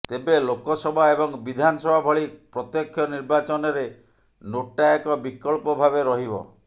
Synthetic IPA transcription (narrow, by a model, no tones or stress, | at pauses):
t̪ebelokɔsɔbʱaebɔŋbid̪ʱanɔsɔbʱabʱɔɭipɾɔt̪jɔkʰjɔniɾbat͡ʃɔnɔɾe | noʈaekɔbikɔɭpɔbʱabeɾɔɦibɔ̰